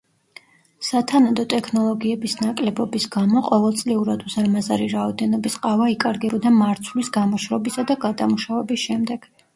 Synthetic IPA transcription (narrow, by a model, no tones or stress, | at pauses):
sat̪ʰanad̪ɔt̪ʼɛkʰnɔlˠɔɡiɛbisnakʼlɛbɔbisɡamɔqʼɔvɛlˠt̪sʼliuɾad̪uzaɾmazaɾiɾaɔd̪ɛnɔbisqʼavaikʼaɾɡɛbɔd̪amaɾt̪sʰvlisɡamɔʃɾɔbisad̪aɡad̪amuʃavɛbisʃɛmd̪ɛɡ̥